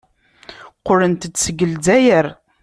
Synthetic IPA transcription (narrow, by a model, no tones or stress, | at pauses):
qʊlənt̪ət͡sːsəɡəld͡zæjəɾ